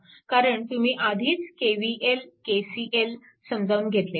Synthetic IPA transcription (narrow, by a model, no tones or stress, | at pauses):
kaɾəɳt̪umiːʔad̪ʱiːt͡skeʋiːʔelkesiːʔel | səmd͡zauːnɡʱet̪le